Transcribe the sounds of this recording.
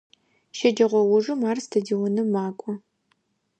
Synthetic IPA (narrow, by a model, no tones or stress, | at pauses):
ʃɐd͡ʒɐʁʷɔwʊʐumaːrstʰɐdiwɔnɨmaːkʷʼɔ